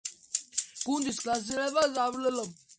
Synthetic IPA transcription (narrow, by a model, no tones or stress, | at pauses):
ɡ̥und̪isklas̬ilɛbazavlɛlɔm